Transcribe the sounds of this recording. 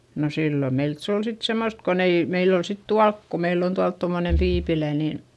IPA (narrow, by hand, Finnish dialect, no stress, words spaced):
no silːo meilt se ol sit semːost kon ei meil ol sit tuɑlk ko meilː on tuɑlt tomːone tiːpilæ ni